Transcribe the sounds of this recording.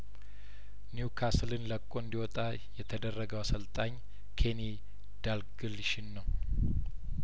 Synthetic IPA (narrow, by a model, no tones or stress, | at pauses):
niukʰaslɨnləkʼːoɨnd̪iwɔt̪ʼa | jɛt̪ʰəd̪ərːəɡəwasəlt̪ʼaɲː | kʰe̞ni | d̪̥alɡɨlʃɪnːəw